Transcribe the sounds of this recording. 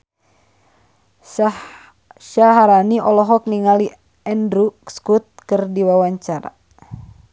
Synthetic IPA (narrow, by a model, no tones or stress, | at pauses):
ʃaɦaɾaniʔɔlɔɦɔk̚niŋali | ɛndɾukskut̪̚kɨrdiwawaɲt͡ʃaɾa̰